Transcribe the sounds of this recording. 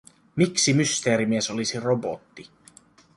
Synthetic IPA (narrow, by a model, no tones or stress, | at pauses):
miksimyst̪e̞ːɾimieso̞lisirobo̰t̪ːi